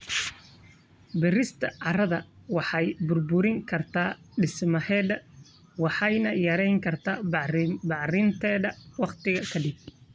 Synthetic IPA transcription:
bɪrɪst̪ʰɐʕɑrɐðɐwɑħɑjbʊrbʊɾɪŋkʰɐrt̪ʰaː | ɖɪsmɐhɛːðɐ | wɑħɑjnɐjɐɾɛjŋkʰɐrt̪ʰaːbɑʕrɪnt̪ʰɛːðɐwɑqt̪ʰɪɣɐkʰɐɖɪb̚

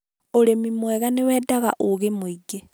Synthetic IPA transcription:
oɾemimwɛɣanewɛːdaɣa̰ʔoɣemoiɡe

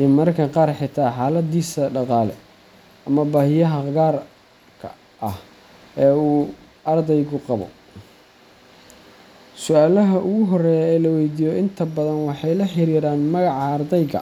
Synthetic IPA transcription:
imɐrkʰɐqɑːrħɪt̪ʰaːħaːlɐd̪iːsɐɖɑqɑːlɛ̰ | ʔɐmɐbaːhɪjɐɦɐɣaːr | kʰɐ | ʔɐh | ɛːuː | ɐrd̪ɛjɣʊqɑβɔ̰ | sʊaːlɐɦɐʔʊɣʊɦɔrɛːjɐɛːlɐwɛjd̪iːjɔɪnt̪ʰɐbɐðɐnwɑħɑjlɐħɪɾiːɾaːnmɐɣɑʕɑːrd̪ɛjɣɐ̰

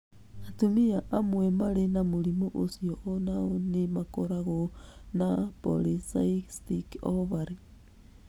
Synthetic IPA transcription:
natumiaʔamwemaɾenamuɾimoʔosioʔonaonemakoɾaɣonapo̰lisaistikɔvaɾe

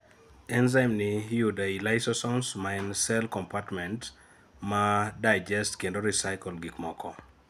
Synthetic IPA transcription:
ɛnzamnɪjudailajsɔsɔnsmaɛnsɛlkɔmpatmɛ̃nt | madaɪd͡ʒɛstkendoɾisajkɔlɡikmɔkɔ

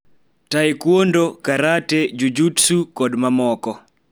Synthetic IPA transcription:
taɪkwondokaɾated͡ʒud͡ʒutsukɔdmamɔkɔ

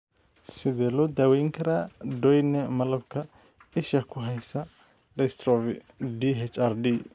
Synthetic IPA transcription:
sɪðɛːlɔːd̪aːwɛjŋkʰɐɾaːɖɔjnɛmɐlɐbkʰɐ | ɪʃɐkʰʊɦɛjsɐ | ɖɛst̪ɾɔfɪ | ɖiɦɛt͡ʃarɖi

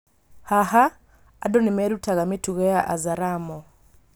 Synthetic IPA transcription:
haɦaː | dɔnimɛɾutaɣamituɣɛaʔa̰zaɾamɔ

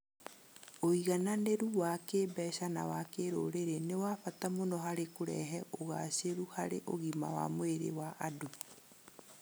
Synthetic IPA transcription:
oiɣananeɾuwakeːbɛʃana̰wakeɾo̰ɾeɾenewaːfatamonɔɦaɾekoɾɛ̰ɦɛʔoɣa̰seɾuhaɾeʔoɣima̰wa̰moeɾḛwaʔadu

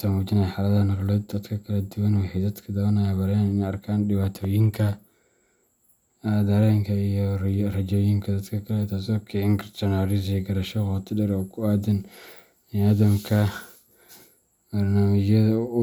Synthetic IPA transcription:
samuːt͡ʃɪnajħaːlɐðhɐnɐɾlɛd̪ɐd̪kʰɐkʰɐlɐd̪ʊwɐnɔhɛd̪ɐd̪kʰɐd̪ɐɣɐnajɐbɐɾɛanɪnɛjɐrkʰaːnɖɪwaːt̪ʰɔːjɪŋkʰɐ | d̪ɐɾɛːŋkʰɐijɔrɐd͡ʒɔːjɪŋkʰɐd̪ɐd̪kʰɐkʰɐlɛt̪ʰaːs̬ɔkʰɛɪŋkʰɐt̪ɔnaɾɪs̬ijɡɐɾɐʃɔqɔt̪ʰɪdɛɾɔːkʰʊaːd̪ɐn | ɪaːd̪ɐmkʰɐ | bɐrnaːmɪt͡ʃjɐðɐ

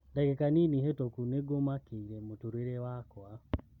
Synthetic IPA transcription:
ndakɛkaniniɦetokuneɡomakeiɾɛmutuɾeɾewakwa

